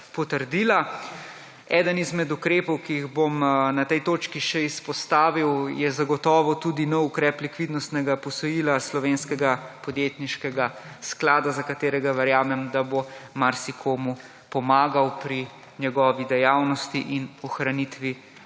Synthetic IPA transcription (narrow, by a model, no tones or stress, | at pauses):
pɔt̪əɾd̪iːla | ɛːd̪ənizmɛd̪ukɾeːpɔwkijiɣbomnat̪ɛjt̪oːt͡ʃkiʃɛispɔst̪aːʋiwjɛzaɡɔt̪ɔːʋɔt̪uːd̪inɔwukɾɛːplikʋid̪nɔst̪nɛɡapɔsɔjiːlaslɔʋeːnskɛɡapɔd̪jeːt̪niʃkɛɡa | sklaːd̪azakat̪eːɾɛɡaʋɛɾjaːmɛmd̪abomaɾsikʰoːmu | pɔmaːɡawpɾi | ɲɛɡɔːʋid̪ɛjawnɔst̪iʔinɔxɾanit̪ʋi